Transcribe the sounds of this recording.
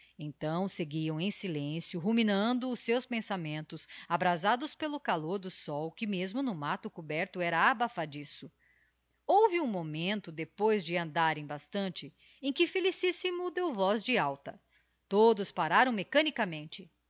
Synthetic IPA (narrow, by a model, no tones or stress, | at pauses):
ẽnt̪ɐ̃w̃seɡiɐ̃w̃ẽj̃silẽsjʊɦuminɐ̃nd̪ʊːsːewspẽsamẽnt̪ʊsabɾazad̪ʊspelʊkaloɾd̪ʊsɔwkɪmezmʊnʊmat̪ʊkubɛɾt̪ʊɛɾɐabafad͡ʒisʊ | owvɪũmomẽnt̪ʊd̪epojzd͡ʒɪɐ̃nd̪aɾẽj̃bast̪ɐ̃nt͡ʃɪ | ẽkɪfelisisimʊd̪ewvɔzd͡ʒɪawt̪ɐ | t̪od̪ʊspaɾaɾɐ̃w̃mekɐnikɐmẽnt͡ʃɪ